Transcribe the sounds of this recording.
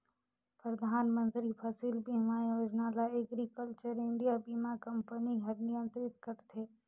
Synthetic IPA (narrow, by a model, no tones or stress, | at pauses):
pɾəd̪ʱaːnmə̃nt̪ɾipʰɐsilbʱimajoːd͡ʒnaːlaeɡɾikəlt͡ʃəɾɪ̃ɳɖijabiːmakɐ̃mpəniɡʱɐɾnijə̃nt̪ɾɪt̪kəɾt̪ʰeː